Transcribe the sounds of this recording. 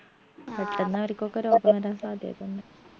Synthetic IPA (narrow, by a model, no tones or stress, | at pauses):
peʈːenːɐʋɐɾkʲːokːeɾo̞ːbɐmɐɾaːmsaːd̪ʱjḛjt̪unːɨ